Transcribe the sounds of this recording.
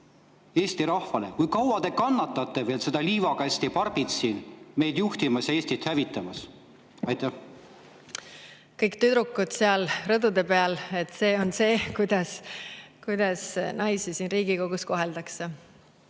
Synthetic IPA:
eːsʲt̪iɾɑhfɑlekujkɑwɑd̪e̞kɑnːɑt̪ːˑɑt̪ːˑeveːlsed̪̥ɑliːvɑkɑsʲt̪ipɑrb̥it̪sinme̞jd̪̥juht̪imɑsjɑe̞ːsʲt̪it̪hævit̪ːˑɑmɑs | ɑjt̪ːæh | kɤjkt̪yd̪ɾukːˑut̪seɑlrɤd̪ud̪e̞peɑle̞t̪ːˑse̞ːo̞nse̞ːkujd̪̥ɑskujd̪̥ɑsnɑjsisiːnriːɡ̥iko̞ɡ̥usko̞ɦeld̪ɑkse

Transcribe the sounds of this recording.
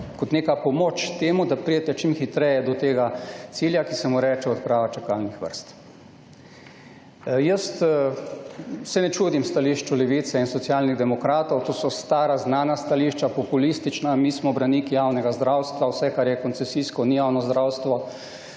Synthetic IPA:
kɔt̪neːkapɔmot͡ʃt̪eːmud̪apɾijɛt̪ɛt͡ʃimxit̪ɾɛjɛd̪ɔt̪eːɡat̪siːljakisɛmuɾɛːt͡ʃɛɔt̪̚pɾaːʋat͡ʃakaːlnixʋə̰ɾst̪ | jəst̪ | sɛnɛt͡ʃuːd̪imst̪aliːʃt͡ʃulɛʋiːt̪sɛinsɔt̪sjaːlniɣd̪ɛmɔkɾaːt̪ɔwt̪oːsɔst̪aːɾaznaːnast̪aliʃt͡ʃapɔpulist̪it͡ʃnamiːsmɔbɾanikijawnɛɡazd̪ɾawst̪ʋawsɛkaɾjɛkɔnt̪sɛsiskɔnijawnɔzd̪ɾawst̪ʋɔ

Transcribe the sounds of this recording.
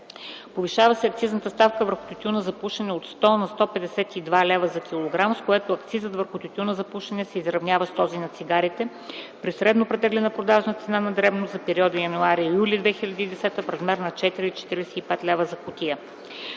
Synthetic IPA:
poviʃavəsɛɐk̚t̪siznət̪əst̪afkəvəɾxʊ̥t̪ʲut̪ʲiunəzɐpuʃɛnɛot̪st̪ɔnɐst̪ɔpɛd̪ɛsɛt̪id̪valɛvəzɐkʲʰilˠoɡɾamskoɛt̪oɐkt̪sizət̪vəɾxʊt̪ʲut̪ʲunəzɐpuʃɛnɛsɛizɾɐvnʲjavəst̪ɔzinɐt̪siɡaɾit̪ɛ | pɾisɾɛd̪nopɾɛt̪ɛɡlɛnəpɾod̪aʒnət̪sɛnanɐd̪ɾɛvnozɐpɛɾiɔd̪əjɐnuaɾijulʲid̪vɛxilʲɐd̪iːd̪ɛsɛt̪əfɾɐzmɛɾnɐt͡ʃɛt̪iɾit͡ʃɛ̥t̪iɾɛsɛipɛt̪lɛvəzɐkʊt̪iə

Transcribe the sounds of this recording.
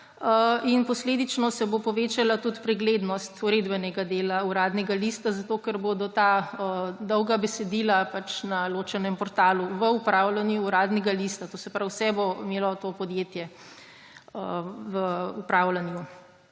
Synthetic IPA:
əinpɔsled̪it͡ʃnɔsɛbopɔʋeːt͡ʃalat̪ut̪pɾɛɡleːd̪nɔst̪uɾeːd̪bɛnɛɡad̪eːlauɾaːd̪nɛɡalist̪azat̪okɛɾbod̪ɔt̪aəd̪ɔwɡabɛsɛd̪iːlapat͡ʃnaloːt͡ʃɛnɛmpɔɾt̪aːluʋəupɾawlanjuːɾaːd̪nɛɡalist̪at̪osɛpɾawsɛboimeːlɔt̪opɔd̪jet̪jɛ | əʋəupɾaːwlanju

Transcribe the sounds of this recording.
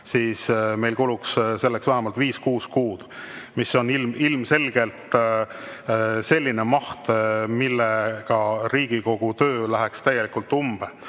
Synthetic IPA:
siːsme̞jlkuluksse̞lːeksvæɦɛmɑlt̪viːskuːskuːd̪̥misːo̞nilmilmse̞lɡ̥e̞lt̪ | se̞lʲːine̞mɑht̪milːekɑɾiːɡ̥iko̞ɡ̥ut̪øːlæɦekst̪æje̞likult̪ːˑumb̥e

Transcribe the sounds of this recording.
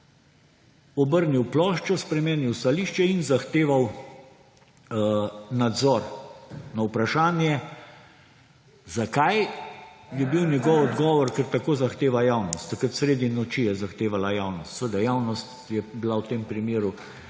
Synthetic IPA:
ɔbəɾniwplɔːʃt͡ʃɔspɾɛmenjiwst̪aliʃt͡ʃɛinzaxt̪eːʋaw | nad̪zɔɾnawpɾaʃaːnjɛ | zakaj | jɛbiwnjɛɡɔwɔd̪ɡɔːʋɔɾkɛɾt̪akoːzaxt̪eːʋajawnɔst̪ːɐkɾət̪sɾeːd̪inɔt͡ʃijɛzaxt̪eːʋalajawnɔst̪sʋed̪ajawnɔst̪ | jɛbilawt̪eːmpɾimeːɾu

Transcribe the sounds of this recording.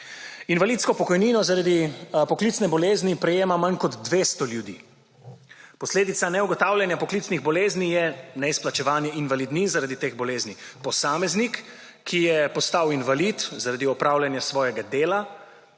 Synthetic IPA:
inʋalit̪skɔpɔkɔjniːnɔzaɾad̪ipɔklit̪snɛbɔleːznipɾɛjeːmamankɔd̪ːʋeːst̪ɔljud̪ḭ | pɔsleːd̪it̪sanɛuɡɔt̪aːwlʲjɛnjapɔklit̪sniɣbɔleːznijɛnɛisplat͡ʃɛʋaːnjɛinʋalid̪nizaɾad̪it̪eːɣbɔleːznipɔsaːmɛznikʰː | ijɛpɔst̪awinʋalit̪zaɾad̪iɔpɾawlʲjanjasʋɔːjɛɡad̪eːla

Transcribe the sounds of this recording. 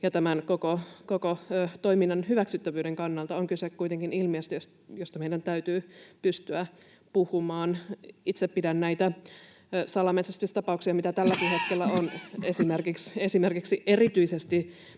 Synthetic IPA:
jɑt̪æmænkokokokot̪oiminːɑnhyʋæksyt̪ːæʋyːdeŋkɑnːɑlt̪ɑoŋkysekkuit̪eŋkinilmiest̪jos | jost̪ɑmeidænt̪æyt̪yːpyst̪yæ | puhumɑːnit̪seppidænnæit̪æ | sɑlɑmesest̪ysʲt̪ɑpɑuksiɑmit̪æt̪ælːækihet̪kelːæonesimerkiksesimerkiksiʔerit̪yisest̪i

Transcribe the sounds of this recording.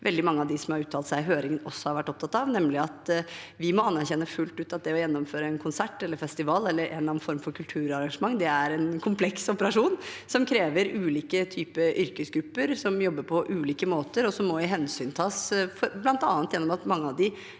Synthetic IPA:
ʋɛld̪ɪmɑŋːəɑʋd̪ɪsɔmhɑɾʉːt̪ʰːɑlt̪sæɪɦøːɾɪŋənɔsːɔ̥hɑɾʋæʈːɔp̚t̪ʰɑt̪ɑʋnɛmlɪɑt̪ʋɪmɔɑnːæɾçɛnːəfʉlt̪ʉːt̪ɑt̪d̪ɛɔjɛnːɔmføːɾəɛnkʰʊnsæʈːɛlːəɾfɛst̪ɪʋɑːlɛlːəɾʔɛ̰nlɑn̩fɔɾmfɔɾkʰʉlt̪ʰʉːɾɑɾɑŋʂəmɑŋːd̪ɛæɾɛnkʰʊmpʰlɛksɔpəɾɑʂuːnsɔmkʰɾeːʋəɾʉːliːkət̪ʰyːpəʔʏɾkəsɡɾʉpːəɾsɔmjɔbːəɾpʰɔʔʉːliːkəmoːt̪əɾɔsɔmːɔɪɦɛnsyːnt̪ʰɑːsfɔɾblɑnt̪ɑːnt̪jɛnːɔmɑt̪mɑŋːəɑʋd̪ɪ

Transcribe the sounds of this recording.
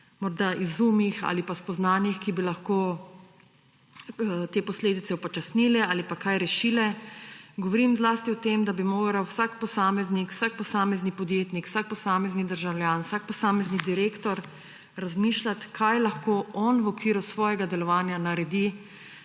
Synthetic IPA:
mɔɾd̪aʔizuːmjixa̰lipaspɔznaːnjixkibilaxkoː | t̪eːpɔsleːd̪it̪sɛwpɔt͡ʃasniːlɛaːlipakajɾɛʃilɛɡɔʋɔɾimzlaːst̪iɔt̪emd̪abimoːɡɾawsakpɔsaːmɛznikw̥sak̚pɔsaːmɛznipɔd̪jeːt̪nikw̥sak̚pɔsaːmɛznid̪əɾʒawlʲjaːnwsak̚pɔsaːmɛznid̪iɾeːkt̪ɔɾ | ɾazmiːʃlat̪kʰajlaxkoːʔɔnʋɔkʋiːɾusʋɔːjɛɡad̪ɛlɔʋaːnjanaɾɛd̪i

